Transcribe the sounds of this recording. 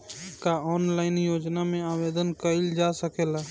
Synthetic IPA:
kaɔːnlaːɪnjoːd͡ʒnamẽaːʋeːd̪ənkəɪld͡ʒasəkeːlaː

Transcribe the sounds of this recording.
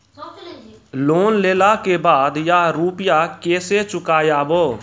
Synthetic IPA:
loːnleːlakebaːd̪jaɾuːpɪjakeːset͡ʃʊkaːjaːboː

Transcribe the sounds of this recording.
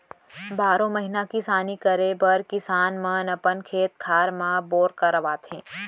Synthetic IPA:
baːɾõmɐɦɪnakisaːnikəɾebɐɾkɪsaːnmənɐpənkʰeːt̪̚kʰaːɾmãboːɾkɐɾəʋaːt̪ẽː

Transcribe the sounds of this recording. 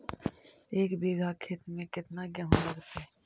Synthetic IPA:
eːkbiːɡʱakʰeːt̪mẽkɪt̪naɡjɐɦonɐɾt̪e

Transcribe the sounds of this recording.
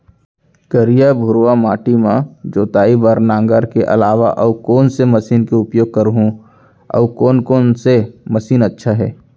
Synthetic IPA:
kəɾijabʱʊɾʋamaːʈimãd͡ʒoːt̪aːibəɾnãːŋɡəɾkeʔɐ̰laːʋa̰ʔɔːkoːnseməsiːnkeʊpjoːɡ̚kəɾɦũ | ɔ̰ːkoːnkoːnseməsiːnətːʃʰaɦɛ̰ː

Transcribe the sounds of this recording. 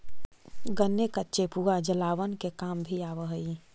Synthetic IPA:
ɡənːekətːʃepuɡad͡ʒəlaːwənkekaːmbʱiaːʋəɦəi

